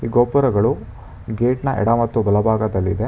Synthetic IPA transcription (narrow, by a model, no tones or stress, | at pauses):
iːɡoːpɐɾɐɡɐɭu | ɡeːʈnɐʔɛ̰ɽɐmɐt̪ːubɐlɐbʱaːɡɐd̪ɐlːḭd̪e̞